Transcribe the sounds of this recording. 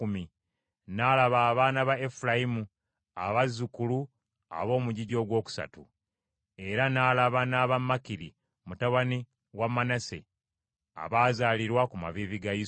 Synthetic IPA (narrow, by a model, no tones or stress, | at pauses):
umi | naːlaβaːβaːnaβaefulajimu | a̰βazukulu | a̰βo̞ːmuɟiɟo̞ːɡwo̞ːku̥sa̰tṵ | e̞ɾanaːlaβanaːβamːakiɾi | mutaβani | wamːanasḛ | a̰βaːzaːliɾwakuma̰viːviɡaji